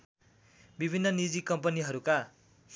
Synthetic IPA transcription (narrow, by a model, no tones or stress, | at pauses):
bibʱinːʌnid͡zikʌmpʌniɦʌɾuka